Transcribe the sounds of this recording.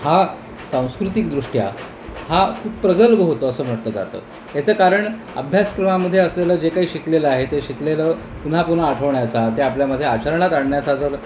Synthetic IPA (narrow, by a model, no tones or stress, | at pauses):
ha | sãw̃skɾut̪ik̚d̪ɾuʂʈja̰ | hakʰuːpːɾəɡəlbəɦot̪əːsəːm̤əʈləːd͡za̰t̪ə̰ː | et͡səːkaɾəɳ | ə̰bʱjaskɾəmaməd̪ʱːjeəsleləːd͡ʑekaɦiːɕikleləaɦet̪eɕikleləː | pun̤apun̤aːʈʰəʋɳjat͡sat̪eapljaməd̪ʱːjeat͡ɕəɾɳat̪aɽɳjat͡sat̪əɾ